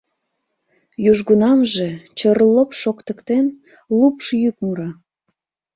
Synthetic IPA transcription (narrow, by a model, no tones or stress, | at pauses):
juʒɡunɑmʒet͡ɕərləpʃokt̪ə̆kt̪en | lupʃjykmuɾɑ